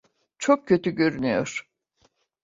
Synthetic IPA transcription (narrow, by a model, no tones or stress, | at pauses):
t͡ʃʰok̚cʰːø̞t̪yɟø̞ɾynyjo̞̰ɾ̥